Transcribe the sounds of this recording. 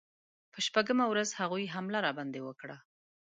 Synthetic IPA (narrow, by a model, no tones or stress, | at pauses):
pəʃpaɡəmawɾazhaɣujɦamlaɾɑband̪ewəkɽa